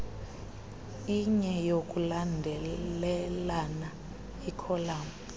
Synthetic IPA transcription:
iɲɛjok̬ʼulandʱɛlɛlana | ikʰɔlaːm

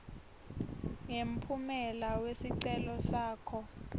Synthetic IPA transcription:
jem̩pʰumɛlawesiǀɛlɔsaːkʰɔ

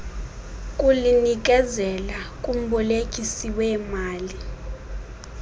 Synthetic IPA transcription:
kʼulinik̬ʼɛzɛlakʼum̩ɓɔlekʼisiwɛːmaːli

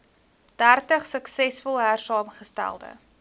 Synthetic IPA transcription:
d̥ærtəχsəksɛsfɔlˠɦærsɑːmχəstæ̰lˠdə̰

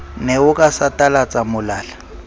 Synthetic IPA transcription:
nɛʊkʼasatʼalat͡sʼamʊlaːla

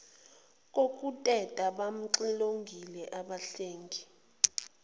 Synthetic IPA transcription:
k̬ʼok̬ʼutʼɛtʼaɓam̩ǀiloŋɡʱilɛʔaɓaɬeːŋɡʱi

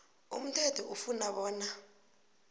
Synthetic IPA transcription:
ṵm̩tʰɛtʰɔʔufunaɓɔːna

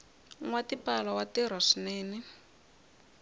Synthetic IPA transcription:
ŋwatipalawatiɾ̤aʂineːni

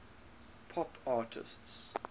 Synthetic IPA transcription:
pʰɔpʰɑːtʰɪ̰sts

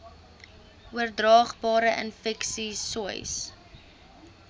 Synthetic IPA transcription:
uərdrɑːχbɑːɾəʔə̰nfɛksisuə̰js

